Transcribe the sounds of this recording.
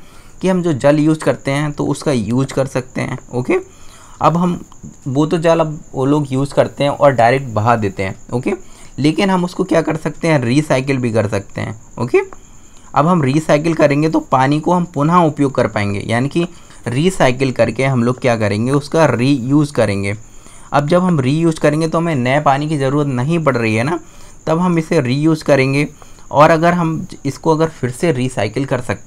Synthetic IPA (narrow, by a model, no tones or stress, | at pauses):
kiɦɐmd͡ʒoːd͡ʒɐljuːzkɐɾt̪eɦɛ̃t̪o̰ʔʊskajuːzkɐɾsɐk̚t̪ḛɦɛ̰̃ːoːkeː | ɐ̰bɦɐmʋoːt̪od͡ʒaːlɐboloːɡjuːzkɐɾt̪eɦɛ̃ʔɔːɾɖaːɪɾeːk̚ʈ̚bɐɦad̪eːt̪eɦɛ̃ːoːkeleːkɪnɦɐmʊskokjaːkɐɾsɐk̚t̪eɦɛ̃ɾiːsaːɪk̬əlbʱikɐɾsɐk̚t̪ḛɦɛ̰̃ːo̰ːkeː | ɐ̰bɦɐmɾiːsaːɪk̬əlkɐɾẽːŋɡet̪opaːnikoɦɐmpʊnɦaʊpjoːɡ̚kɐɾpaːẽːŋɡḛjʔa̰ːniki | ɾiːsaːɪkəlkɐɾkeɦɐmloːɡ̚kjaːkɐɾẽːŋɡeʊskaɾiːjuːzkɐɾẽːŋɡeː | ɐ̰b̚d͡ʒɐbɦɐmɾiːjuːzkɐɾẽːŋɡet̪oɦɐmẽnɐepaːnik̬izɐɾuːɾət̪nɐɦĩbɐɽɾɐɦiɦɛnaː | t̪ɐbɦɐmɪsːeɾiːjuːzkɐɾẽːŋɡe | ɔːɾɐɡəɾɦɐmɪskoɐɡəɾfɪɾseɾiːsaːɪkəlkɐɾsɐkt̪